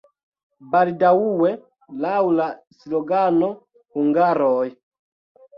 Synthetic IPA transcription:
baldawuwe | lawla | sloɡano | huŋɡaɾoj

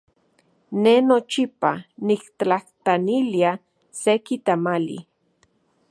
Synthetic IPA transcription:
nenot͡ʃipanikt̪aht̪anilia | sekit̪amalḭ

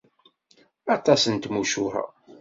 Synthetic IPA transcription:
ɑt̪ˤɑsənt̪muʃʊha̰

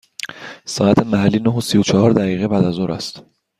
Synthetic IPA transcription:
sɒːæt̪ʰemæhælːiːnoɦosijot͡ʃʰɒhɒːɾd̪æɣiːɣebæːd̪æzoɾæ̰st̪

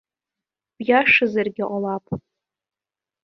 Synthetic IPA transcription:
b̥jaʂɨzarɡʲaʔʷʼalapʼ

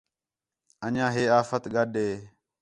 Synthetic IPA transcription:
əɲãːɦeːaːfət̪ɠəɗeː

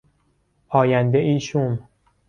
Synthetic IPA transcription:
pʰɒːjænd̪eʔiːʃum

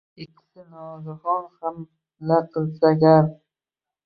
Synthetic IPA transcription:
ɪkʲʰːɪ̥sɪnɒzɨχɒnham | laqʰɨlˠsaɡʲan

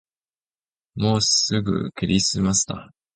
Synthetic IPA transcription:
mo̞ːsɨɡɯ̟̰kɯɾʲisɨmasɨ̥t̪a̰

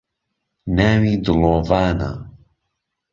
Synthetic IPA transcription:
naːwid̪ɨloːvaːna̰

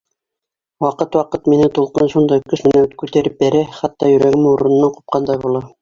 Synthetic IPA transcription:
wɑqɤt̪wɑqɤt̪minɘt̪ulˠqɤnʃund̪ɑjkɵʃmɘ̆nækʉt̪æɾɘp̚bæɾæχæt̪ːɑjɵ̆ɾæɡɘmuɾɤ̆nɤ̆nːɑɴqŭ̥p̚qɑnd̪ɑjbulˠɑ

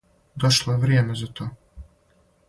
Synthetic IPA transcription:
d̪oʃlˠoeʋɾjeːmezat̪ʰoː

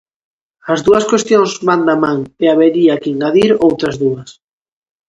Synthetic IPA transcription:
ɐzðuɐskwest̪joŋzβand̪amãŋeaβeɾiakiŋɡaðiɾowt̪ɾɐzðuɐs

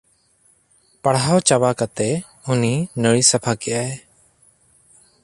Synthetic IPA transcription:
paɽɦawt͡ʃabakat̪ɛ | uninəɽisapʰakɛʔae

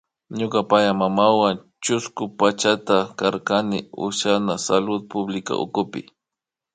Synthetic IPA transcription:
ɲʊkapajamamawan | t͡ʃʊskʊpat͡ʃat̪akaɾkanɪʊ̰ʃanasalʊd̪̚pʊblɪka̰ʔʊ̰kʊpɪ̰

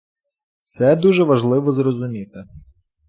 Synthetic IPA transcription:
t̪sɛd̪uʒɛʋɐʒlˠɪʋɔzɾɔzʊmʲit̪ɪ

